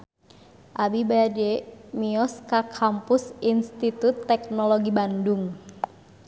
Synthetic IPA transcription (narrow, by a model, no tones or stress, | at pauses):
ʔabibajad͡ʒɛmiɔskakʰampʊsinst̪it̪ut̪ːɛk̚nɔloɡibanduŋ